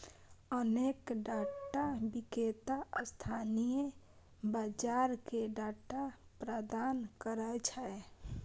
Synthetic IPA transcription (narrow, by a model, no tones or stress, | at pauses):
ənekɖaʈabiket̪aəst̪ʰanije | bad͡ʒaɾkeɖaʈapɾəd̪ankəɾət͡ʃʰəe